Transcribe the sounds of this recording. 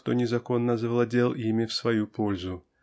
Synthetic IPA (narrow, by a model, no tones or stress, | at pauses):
t̪onʲɪzɐko̞nːəzəvlˠɐdʲelˠimʲɪfsvɐjupo̞lʲzʊ